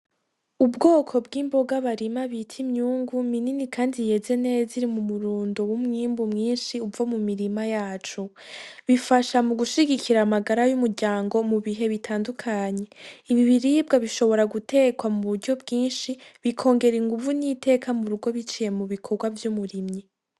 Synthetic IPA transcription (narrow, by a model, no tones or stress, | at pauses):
ubɡo̞ːkʰo̞bɡiːmbo̞ɡaβaɾimaβitʰimɲuːŋɡumininikʰaːndije̞zene̞ːziɾimumuɾuːndowumŋiːmbumŋiːnʃiubvomumiɾimajaːt͡ʃu | βifaʃamuɡuʃiɡikʰiɾaːmaɡaɾajumuɾɟaːŋɡo̞muβiɦe̞βitʰaːndukʰaɲe̞iβiβiɾib̚ɡaβiʃo̞βo̞ɾaɡutʰe̞kwamuβuɾɟo̞bɡiːnʃiβikʰo̞ːŋɡe̞ɾiŋɡuvunite̞ːkʰamuɾuɡo̞βit͡ʃije̞muβikʰo̞ɡwavjumuɾimɲi